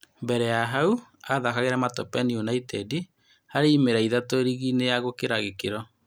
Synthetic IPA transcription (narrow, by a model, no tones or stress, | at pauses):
mbɛɾɛjaɦauaðakaɣeɾɛmatɔpɛnionaitɛdi | haɾeimeɾaiðatoeɾiɣinejaɣokeɾaɣekeɾɔ